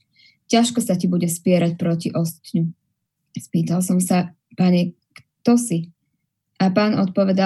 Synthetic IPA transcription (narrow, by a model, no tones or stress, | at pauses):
caʃkɔsacibuɟɛspɪɛɾac̚pɾɔciʔɔst̪t̪ɲu | spiːt̪alˠsɔmsa | paɲɛ | k | t̪ɔsi | ʔapaːnɔt̪̚pɔʋɛd̪a